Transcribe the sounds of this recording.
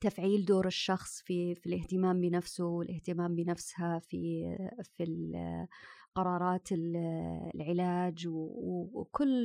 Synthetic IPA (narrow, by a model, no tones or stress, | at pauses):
t̪afʕiːld̪oːɾɪʃːɑxsˤfifilɪht̪ɪmaːmbɪnafsʊwɪlʔɪht̪ɪmaːmbɪnafshafifi | qɑɾˤɑːɾˤɑːt̪ɪllʕɪlaːd͡ʒwwkʊlː